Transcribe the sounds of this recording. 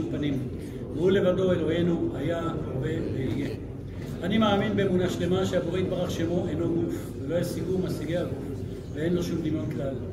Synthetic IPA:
upanim | beule̞vado̞e̞lo̞he̞nuajaove̞veije | animaːminbeːmunaʃle̞maʃeaboʁeit̪̚baʁaχʃemo̞ʔejno̞ɡuf | velo̞ajasiɡumasiɡeaɡuf | vee̞nlo̞ʃumd̪imjo̞nklal

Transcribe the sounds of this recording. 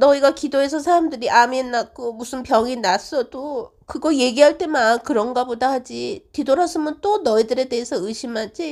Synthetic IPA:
nʌiɡakidoe̞sʰʌsʰaɾamdɯɾiʔaminːak͈omusʰɯnpjʌŋinas͈ʌdo | kɯɡʌje̞ɡiɦaɭt͈e̞mankɯɾʌnɡabodahad͡ʑitidoɾasʰɯmʌnt͈onʌidɯɾe̞de̞ːsʰʌɯɕʰimad͡ʑi

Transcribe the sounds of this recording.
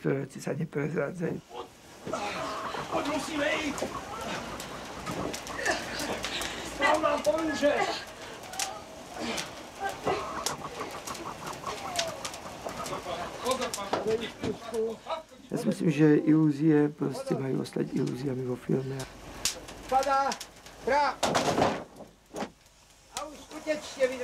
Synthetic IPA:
t̪ɔɾɛʋɛt͡sisaɲɛpɾɛzɾaːd͡zajṵː | ɔmusiːmɛic | ɔnapɔiʒɛ | vɛiskusku | ja̰ːsimislimʒɛʔiluziɛpɾɔscɛmajṵʔɔ̰st̪a̰cḭlṵːziamiɦɔfḭlmɛa | pad̪aːd̪ɾa | auʃutɛt͡ʃɲɛʋi

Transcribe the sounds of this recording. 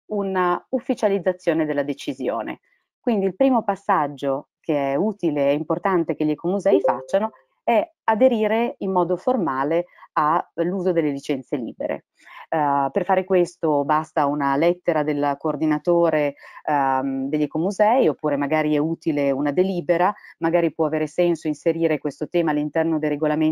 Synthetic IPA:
unaufːit͡ʃalid̪zːat̪sːjoːned̪elːad̪et͡ʃizjo̰ːnḛ | kwind̪iːlpɾiːmopasːad͡ʒːo | kʰeɛuːt̪ileɛimport̪ant̪ek̟eʎːɛkomuzɛːifat͡ʃːano | ɛ | ad̪eɾiːɾeimːɔːd̪oformaːlealːuːzod̪elːelit͡ʃɛnt̪selḭːbḛɾḛ | perfaːɾekwest̪obast̪aunalɛt̪ːeɾad̪elkoːrd̪inat̪oːɾe | d̪eʎːɛkomuzɛiopːuːɾemaɡaːɾiɛuːt̪ileunad̪eliːbeɾamaɡaːɾipwɔaveːɾesɛnsoinseɾiːɾekwest̪ot̪ɛːmaːlːint̪ɛrnod̪ejreɡolame

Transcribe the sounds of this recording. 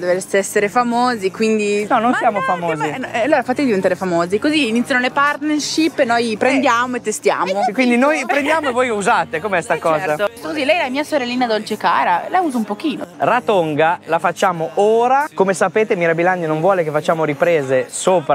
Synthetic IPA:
d̪eveseɛsːeɾefamoːzikwind̪inɔnonsjaːmofamoːziɛalːoːɾafat̪ːed̪ivent̪aɾefamoːzikoziːnit̪sjanolepart̪nerʃipːnojpɾend̪jaːmoet̪ːest̪ja̰ːmokwind̪inojpɾend̪jaːmoevojuzaːt̪ekomeɛst̪akɔːaost̪okozilɛjlamiːasoɾɛlːiːnad̪olt͡ʃeka̰ːɾalauːzoumpok̟iːno̰rat̪oŋɡalafat͡ʃːaːmoʔoːɾakomesapeːt̪emiɾabilanːinonvwɔːlekefat͡ʃːaːmoɾipɾeːzesoːpɾ

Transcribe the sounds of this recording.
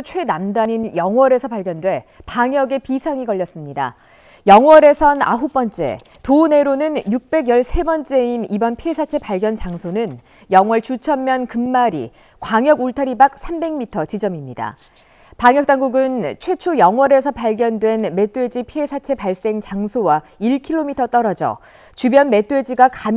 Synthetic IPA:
t͡ɕʰwe̞namdaɲinjʌŋwʌɾe̞sʰʌpaɭɡjʌndwe̞paŋjʌɡe̞pisʰaŋikʌʎjːʌs͈ɯmɲida̰ | jʌŋwʌɾe̞sʰʌna̰ɦup͈ʌnt͡ɕ͈e̞̰ | tone̞ɾonɯnjuk̚p͈e̞ɡjʌɭsʰe̞bʌnt͡ɕ͈e̞inibʌnpʰie̞sʰat͡ɕʰe̞paɭɡjʌnt͡ɕaŋsʰonɯn | jʌŋwʌɭt͡ɕut͡ɕʰʌmmjʌnkɯmːaɾḭ | kwaŋjʌɡoɭtʰaɾibak̚s͈ʰambe̞ŋmitʰʌt͡ɕid͡ʑʌmimɲida̰ | paŋjʌk̚t͈aŋɡuɡɯnt͡ɕʰwe̞t͡ɕʰojʌŋwʌɾe̞sʰʌpaɭɡjʌndwe̞nme̞t͈we̞d͡ʑipʰie̞sʰat͡ɕʰe̞paɭs͈e̞ŋt͡ɕaŋsʰowa | iɭkʰiɭːomitʰʌt͈ʌɾʌd͡ʑʌ̰ | t͡ɕubjʌnme̞t͈we̞d͡ʑiɡakam

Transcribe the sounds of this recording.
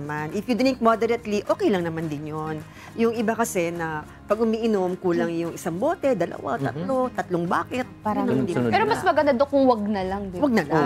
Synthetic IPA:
manʔɪfjʊd̪ɾɪŋkmod̪ɛɾɐt̪liʔo̞ːkɛjlɐŋnɐmand̪ɪnjon | jʊŋɪbakɐsɛnɐ | pɐɡ̚ʊmiːʔɪnomkuːlɐŋjʊŋɪsɐŋbo̞ːt̪ɛd̪ɐlɐ̰wa̰t̪ɐ̰t̪lo̞t̪ɐt̪loŋbaːkɛt̪̚paːɾɐnɐmad̪ɪpɛɾomɐsmɐɡɐnd̪ɐd̪okʊŋwɐɡ̚nɐlɐŋd̪ɪwɐɡ̚nɐla

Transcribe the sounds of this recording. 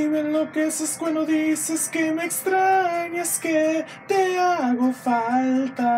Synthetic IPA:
iβenlo̞keeseskwãnd̪oðiseskeme̞ːkst̪ɾaɲaske | t̪eaɣo̞falt̪a

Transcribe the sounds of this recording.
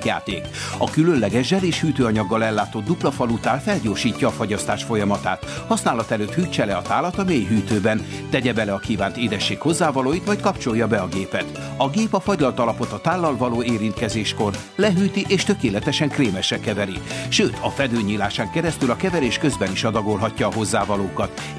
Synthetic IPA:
ja̰ːt̪ḛːkɒkylønlɛɡɛʒʒɛleːʃhyːt̪øːɒɲɒɡːɒlɛlːaːt̪o̞d̪d̪uplɒfɒlut̪aːlfɛlɟoːrʃiːcːɒːfoɟɒst̪aːʃfo̞jɒmɒt̪a̰ːt̪ | hɒsnaːlɒt̪ɛløːt̪hyːt͡ʃɛlɛɒt̪aːlɒt̪ɒmeːjɦyːt̪øːbɛn | t̪ɛɟɛbɛlɛɒkiːva̰ːnt̪eːd̪ɛʃːeːkho̞zːaːvɒloːjit̪mɒjt̪̚kɒpt͡ʃo̞jːɒbɛɒɡeːpɛt̪ | ɒɡeːpɒfɒɟlɒlt̪ɒlɒpo̞t̪ɒt̪aːlːɒlvɒloːeːɾint̪kɛzeːʃko̞r | lɛɦyːt̪iʔeːʃt̪økeːlɛt̪ɛʃɛŋkreːmɛʃɛkɛvɛɾiʃøːt̪ʰɒfɛd̪øːɲiːlaːʃaːŋkɛɾɛst̪ylɒkɛvɛɾeːʃkø̞zbɛniʃɒd̪ɒɡo̞lɦɒcːɒːɦo̞zːaːvɒloːkɒt̪

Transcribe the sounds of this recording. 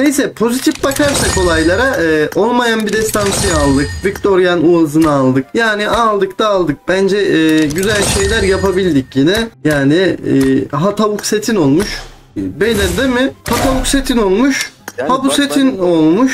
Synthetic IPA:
nejsɛpʰo̞zit̪ʰifbakʰaɾsako̞lˠajlˠaɾaːʔo̞lˠmajanbid̪ɛst̪ansijaːlˠd̪ɯk̚vict̪ʰo̞ɾjanuazɯnaːlˠd̪ɯk̚jaːniʔalˠd̪ɯkd̪aːlˠd̪ɯk̚bænd͡ʒɛɟyzælʲʃe̞jlʲæɾjapabilʲd̪icjinɛjaːnɪ | ɦat̪ʰaβukse̞t̪ʰino̞lˠmuʃ | belɛd̪emɪhat̪ʰaβukse̞t̪ʰino̞lˠmuʃhabuse̞t̪ʰino̞lˠmuʃ

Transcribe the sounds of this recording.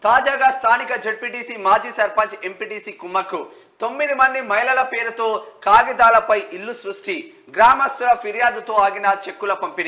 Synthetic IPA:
t̪aːd͡ʒaːɡaːst̪ʰaːnikɐd͡ʒeɖ̚piɖiːsiːmaːd͡ʒiːsɐɾpɐɲt͡ʃe̞mpiːɖiːsiːkumːɐkːu | t̪o̞mːid̪imɐnd̪imɐjlɐlɐpeːɾut̪o̞ːkaːɡid̪aːlɐpɐjʔilːusɾuʂʈi | ɡɾaːmɐst̪uɾɐpʰiɾjaːd̪ut̪o̞ːaːɡinɐt͡ʃekːulɐpɐmpini

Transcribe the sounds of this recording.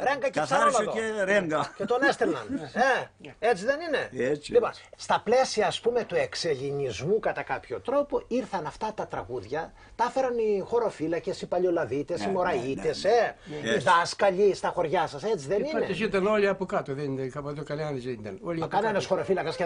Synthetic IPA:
ɾeŋɡɐcesɐɾolɐðoɾeŋɡɐcet̪onest̪enɐneet͡siðe̞nine̞liponst̪ɐple̞siɐːspume̞t̪ue̞kseʎinizmukɐt̪ɐkɐpço̞t̪ɾo̞po̞iɾθɐnɐft̪ɐt̪ɐt̪ɾɐɣuðʝɐ | t̪ɐfe̞ɾɐnixo̞ɾo̞filɐce̞sipɐʎo̞lɐvit̪e̞simo̞ɾɐitt̪e̞seiðɐskɐʎist̪ɐxo̞ɾʝɐsɐset͡siðenineesit̪ɐnoliɐpokɐt̪oðenikɐpot̪okɐleɐnizit̪ɐnolikɐnenɐsxo̞ɾo̞filɐkɐse

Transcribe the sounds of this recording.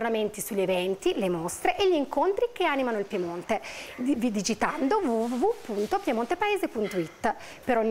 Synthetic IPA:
rnament̪isuʎːevɛnt̪ilemost̪ɾeʔeʎːiːŋkont̪ɾik̟eanimanoilpjemont̪evid̪id͡ʒit̪and̪ovuuvupunt̪opjemont̪epaeːzepunt̪oit̪ː | peɾoɲː

